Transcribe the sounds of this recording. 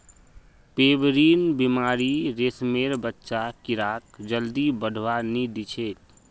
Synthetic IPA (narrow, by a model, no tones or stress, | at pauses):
peːbɾiːnbimaːɾiɾeːsmeːɾbətːʃakiɾaːkd͡ʒəld̪ibəɖʱwanid̪it͡ʃʰeːt̪